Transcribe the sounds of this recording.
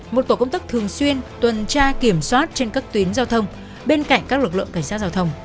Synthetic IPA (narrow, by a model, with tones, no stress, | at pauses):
mo˨˩t̚t̪o˧˩kə˧wŋ͡mt̪aː˦˥k̚t̪ʰɨ˨˩əŋswi˧ənt̪wə˨˩nt͡ɕaː˧ki˧˩əmswaː˦˥t̚t͡ɕe˧nkaː˦˥k̚t̪wi˨˦ənzaː˧wt̪ʰə˧wŋ͡m | ɓe˧nka̰˧˨jŋ̟kaː˦˥k̚lɨ˨˩k̚lɨ̰˧˨ŋka˧˩jŋ̟aː˦˥t̚zaː˧wt̪ʰə˧wŋ͡m